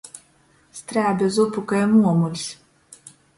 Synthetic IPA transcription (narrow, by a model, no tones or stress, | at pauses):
st̪ɾæːb̪ʲuzupukajɛmuɔmulʲs